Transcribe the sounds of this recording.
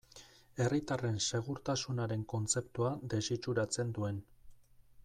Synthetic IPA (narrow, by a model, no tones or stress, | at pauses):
e̞rit̪are̞nse̞ɣ̞uɾt̪asunaɾe̞ŋko̞nt͡se̞pt̪uad̪e̞sit͡ʃuɾat͡se̞nd̪ue̞n